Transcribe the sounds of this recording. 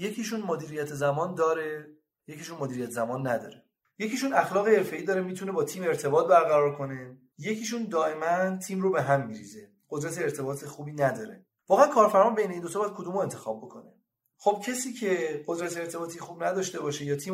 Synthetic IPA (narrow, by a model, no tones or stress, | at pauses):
je̞cʰiʃunmod̪iːɾijæt̪ʰezæmɒːnd̪ɒːɾe̞ | jeciːʃunmoːd̪iːɾijæt̪ʰezæmɒːnːæd̪ɒ̰ːɾe | je̞ciʃunæxlɒːɣeeɾfe̞iːd̪ɒːɾemiːt̪ʰune̞bɒːt̪ʰiːme̞ɾt̪ʰe̞bɒːt̪̚bæɾɣæɾɒːɾkʰo̞ne̞ | je̞cʰiːʃ̬und̪ɒːʔe̞mænt̪ʰiːmrobe̞ɦæmːiɾḭːze̞ | ɢ̥od̪ɾæt̪ʰeːɾt̪ʰe̞bɒːt̪ʰexubiːnæd̪ɒːɾe̞ | vɒːɣeænkʰɒːɾfæɾmɒbejne̞ind̪ot̪ʰɒbjæd̪̥̚kʰod̪uːmoe̞nt̪ʰe̞xɒːb̚bːo̞kʰo̞ne | χob̥̚cʰesiːcʰe̞ɢod̪ɾæt̪ʰeːɾt̪ʰe̞bɒːt̪ʰixuːbnæd̪ɒʃt̪e̞bɒːʃe̞jɒːt̪ʰiː